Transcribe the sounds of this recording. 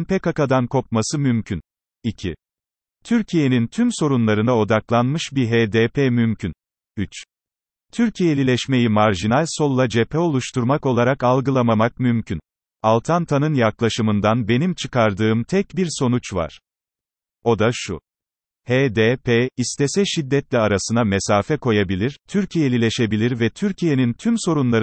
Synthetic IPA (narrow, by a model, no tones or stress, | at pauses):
npʰɛkakad̪ankʰo̞p̚masɯmymcʰyn | icʰi | t̪ʰyɾcʰije̞nint̪ʰymso̞ɾunlˠaɾɯnao̞d̪aklˠanmɯʃbiɦed̪epʰɛmymcʰyn | yt͡ʃ | t̪ʰyɾcʰijelʲilʲɛʃme̞jimaɾʒinalʲso̞lˠːad͡ʒepʰɛo̞lˠuʃt̪ʰuɾmako̞lˠaɾakalˠɡɯlˠamamak̚mymcʰyn | alˠt̪ʰant̪ʰanɯnjaklˠaʃɯmɯnd̪anbe̞nimt͡ʃʰɯkaɾd̪ɯːmt̪ʰɛc̚biɾso̞nut͡ʃva̰ɾ̥ | o̞d̪aʃṵ | heːd̪epʰeːist̪ʰɛsɛʃid̪ːɛt̪lʲɛaɾasɯnamɛsaːfɛko̞jabilʲiɾ̥t̪ʰyɾcʰijelʲilʲɛʃe̞bilʲiɾvɛt̪ʰyɾcʰije̞nint̪ʰymso̞ɾunlˠaɾ